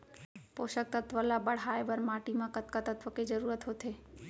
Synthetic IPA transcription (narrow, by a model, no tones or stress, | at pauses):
poːʃək̚t̪ət̪ʋəlabəɽaːebəɾmaʈimãkət̪kat̪ət̪ʰʋəked͡ʒəɾuːɾət̪ɦot̪ʰe